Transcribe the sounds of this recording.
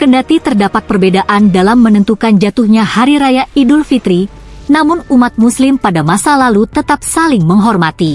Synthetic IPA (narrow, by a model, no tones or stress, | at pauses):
kəndat̪it̪ərdapak̪̚pərbedaʔandalamːənənt̪ukand͡ʒat̪uhɲahaɾiɾajaidʊlfit̪ɾi | namʊnumat̪̚muslɪmpadamasalalut̪ət̪ap̚salɪŋməŋɦɔrmat̪i